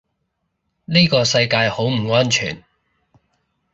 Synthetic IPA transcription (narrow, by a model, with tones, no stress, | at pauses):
niː˥kɔː˧sɐ˧jkaː˧jho˨˥wm̩˨˩ŋɔː˥nt͡ʃʰy̰ː˨˩n